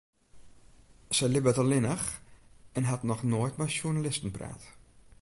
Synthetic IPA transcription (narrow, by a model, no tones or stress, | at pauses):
sɛjlɪbətəlɪnəxɛnɦatnɔxnoːjtmɛjsjunalɪstən̩pra̰ːt